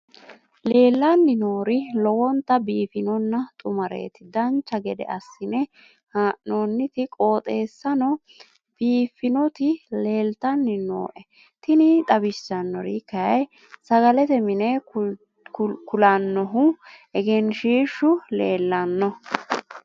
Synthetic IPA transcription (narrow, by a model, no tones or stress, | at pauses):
le̞ːlːɐnːɪno̞ːɾɪlɔwɔnt̪ːɐbiːfɪnɔnːɐt̪ʼʊmɐɾḛːt̪ɪd̪ɐnt͡ʃːɐɡɛd̪ɛ̰ʔɐsːɪnɛ | haːʔnoːnːɪt̪ɪkʼo̞ːt̪ʼe̞ːsːɐnɔ | b̥iːfːɪnɔt̪ɪle̞ːlt̪ɐnːɪno̰ːʔɛ | t̪ɪnɪt̪ʼɐbɪsɐnːɔɾikɐjɐj | sɐɡɐlɛt̪ɛmɪnɛ | kʊlɐnːɔɦʊʔɛɡɛnʃiːʃːʊleːlːɐnːɔ